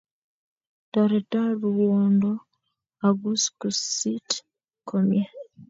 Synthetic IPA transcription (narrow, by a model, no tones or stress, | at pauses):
taɾetaɾuwoːndo | aɡuskusit | komje